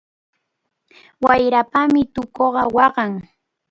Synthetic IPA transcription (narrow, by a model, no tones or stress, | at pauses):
wajɾapamɪt̪ʊkoɢɑwɑɢɑŋ